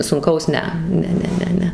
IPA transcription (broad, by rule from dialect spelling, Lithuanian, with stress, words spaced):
sʊŋˈkɐʊs ˈnʲɛ ˈnʲɛ ˈnʲɛ ˈnʲɛ ˈnʲɛ